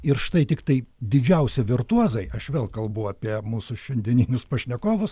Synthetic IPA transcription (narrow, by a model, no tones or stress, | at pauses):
ɪɾʃt̪ɐɪt̪ʲɪkt̪ɐɪd̪ʲɪd͡ʒʲɛʊsʲɪʋʲɪɾt̪uɔzɐɪɐʃʋʲeːlˠkɐlˠbuʊɐːpʲiɛmuːsʊʃʲɛnʲd̪ʲɛnʲiːnʲʊspɐʃʲnʲɛkoːʋʊs